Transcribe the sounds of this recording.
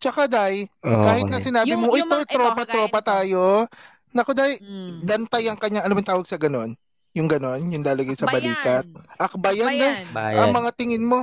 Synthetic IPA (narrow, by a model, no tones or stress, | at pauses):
t͡ʃɐkad̪ajkaːhɪt̪̚nɐsɪnaːbɪmoʔojt̪ojt̪ɾoːpɐt̪ɾoːpɐt̪aːjo̞ | nɐkod̪ajd̪ɐnt̪ajɐŋkɐɲaŋʔɐnoːmɐt̪aːwɐɡ̚sɐɡɐno̞n | jʊŋɡɐno̞njʊŋlaːlɐɡajsɐbɐliːk̪ɐt̪̚ʔɐk̚bajand̪ajɐŋmɐŋat̪ɪŋɪnmo̞